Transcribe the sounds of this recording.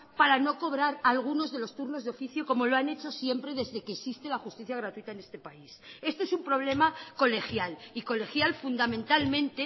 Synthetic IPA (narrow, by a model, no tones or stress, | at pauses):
paɾano̞ko̞β̞ɾaɾalɣ̞uno̞zðe̞lo̞st̪uɾno̞zðo̞fiθjo̞ko̞mo̞loane̞t͡ʃo̞sje̞mpɾe̞ðe̞zðe̞keːsist̪e̞laxust̪iθjaɣɾat̪uit̪aene̞st̪e̞paise̞st̪o̞esumpɾo̞β̞le̞mako̞le̞xjaliko̞le̞xjalfund̪amẽ̞nt̪almẽ̞nt̪e̞